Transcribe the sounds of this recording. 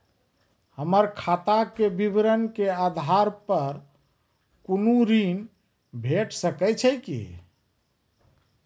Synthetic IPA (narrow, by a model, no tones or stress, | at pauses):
həməɾkʰat̪akebibɾənkead̪ʱaɾpəɾ | kunuɾin | bʱeʈʰsəkɛt͡ʃʰəjkḭ